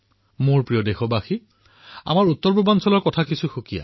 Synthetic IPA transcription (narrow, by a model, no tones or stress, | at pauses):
mʊɹpɹijɔdexɔbaxi | a̰maɹut̪ːɔɹpubansɔlɔɹkɔtʰakisuxukija̰